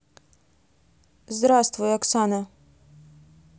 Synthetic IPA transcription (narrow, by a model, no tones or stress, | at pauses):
zd̪ɾast̪vujɐksanɐ